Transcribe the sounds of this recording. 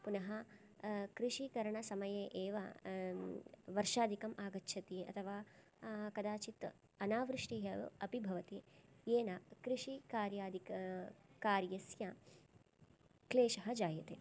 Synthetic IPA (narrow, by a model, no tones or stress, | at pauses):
punɐɦɐ | kɾiʂikɐɾɐɳɐsɐmɐjeːʔeːʋɐ̰ | ʋɐɾʃaːd̪ʱikɐmʔaːɡɐtːʃʰɐt̪eɐ̰t̪ʰɐʋaː | kɐd̪aːt͡ʃit̪ | ɐnaːʋɾɪʂʈiːɦɐɐpibʱɐʋɐt̪ijeːnakɾiʂikaːɾjaːd̪ʱik | kaːɾjɐsjɐ | kleːʃɐɦɐd͡ʒaːjɐt̪ḛː